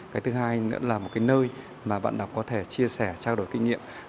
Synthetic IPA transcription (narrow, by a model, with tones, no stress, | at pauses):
kaː˨˦jt̪ʰɨ˨˦ɦaː˧jnɨ̰˧˥əlaː˨˩mo˨˩t̚kaː˨˦jnəː˧j | maː˨˩ɓa̰ː˧˨nɗa˨˩ŋ͡m̚kɔ˨˦t̪ʰe˧˩t͡ɕi˧əsɛ˧˩t͡ɕaː˧wɗo˧˩jkï˧ŋ̟ŋḭ˧˨əm